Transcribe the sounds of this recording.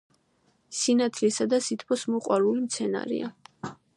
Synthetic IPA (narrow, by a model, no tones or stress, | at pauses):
sinat̪ʰlisad̪asit̪ʰpʰɔsmɔqʼwaɾulimt̪sʰɛna̰ɾḭa